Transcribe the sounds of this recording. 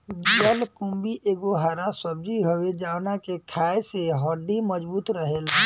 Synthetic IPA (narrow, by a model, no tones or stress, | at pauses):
d͡ʒiəlkʊ̃mbiʔeːɡoɦaːɾasəb̚d͡ʒiɦowed͡ʒaːwnakekʰaːeseɦɔːɖiməd͡ʒbuːt̪ɾəɦel